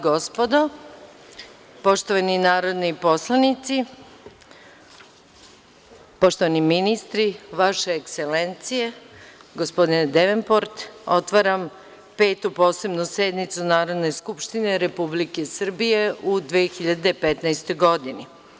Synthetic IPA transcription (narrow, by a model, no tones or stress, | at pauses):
ɡospod̪o | po̞ʃt̪oʋaninaːɾo̞d̪nipo̞slˠanit̪si | po̞ʃt̪o̞ʋaniminist̪ɾiʋaʃeːkselent̪sije̞ɡospo̞d̪ind̪eʋenpo̞ɾt̪ot̪ʋaɾam | peːt̪upo̞ːse̞bnused̪nit̪sunaːɾo̞d̪ne̞skupʃt̪ineɾepublike̞sr̩bije̞ud̪ʋeːxiʎad̪epet̪najst̪o̞jɡo̞d̪ini